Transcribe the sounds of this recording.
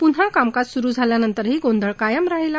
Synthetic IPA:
pun̤ɦakamkat̪suɾuːd͡zʱaljanənt̪əɾɦiːɡõnd̪ʱəɭkajəmɾaɦila

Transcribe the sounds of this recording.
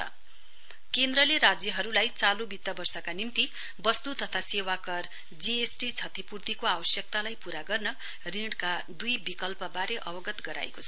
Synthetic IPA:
ʌ̰ | kend̪rʌleɾad͡zjʌɦʌɾulajt͡salubit̪ːʌbʌrsʌkanimt̪i | bʌst̪ut̪ʌt̪ʰasewakʌr | d͡ziesʈit͡sʰʌt̪ʰipurt̪ikoawʌsjʌk̚t̪alajpuɾaɡʌrnʌ | riɖka | d̪ujbikʌlpʌbaɾeʔʌbʌɡʌt̪ɡʌɾa̰ḛkot͡sʰʌ

